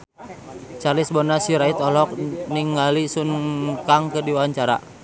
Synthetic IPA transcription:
t͡ʃalisbɔnasiɾait̪ɔlɔk̚niŋalisunkaŋkədiwaaɲt͡ʃaɾa̰

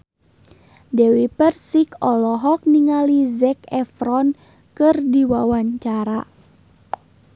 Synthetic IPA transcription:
dɛwipərsikɔlɔɦɔk̚niŋalizɛkɛfɾɔn | kɨrdiwawaɲt͡ʃaɾa

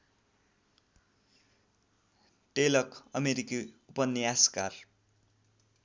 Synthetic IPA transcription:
ʈelʌkʌmeɾikiupʌnːiaskar

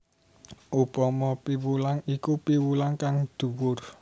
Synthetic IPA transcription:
ʔupɔmɔpiwulaŋikupiwulaŋkaŋd̪̥ṳwʊr

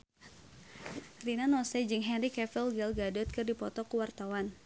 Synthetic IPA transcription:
rinanɔsɛd͡ʒɨŋɦɛnrikɛfilɡɛlɡadɔt̪̚kɨrdipɔt̪ɔkuwart̪awan

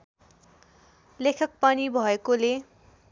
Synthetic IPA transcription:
lekʰʌk̚pʌnibʱʌekole

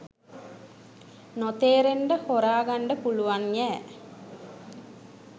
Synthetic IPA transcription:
not̪eːɾeɳɖəhoɾaːɡaɳɖəpuluʋanjɛː

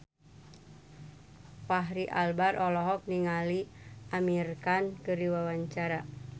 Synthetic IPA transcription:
paɦɾiʔa̰lbaɾʔɔlɔɦɔk̚niŋaliʔamirkankɨɾiwawaɲt͡ʃaɾa

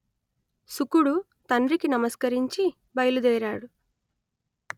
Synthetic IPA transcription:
sukuɽu | t̪ɐnrikinɐmɐskɐɾiɲt͡ʃi | bɐjlud̪ɛːɾaːɽu

